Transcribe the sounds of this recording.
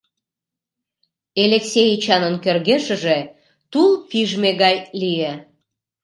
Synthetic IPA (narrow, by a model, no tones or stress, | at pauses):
eleksʲejt͡ɕɑnənkørɣeʃə̆ʒe | t̪ulˠpiʒmeɣɑjlije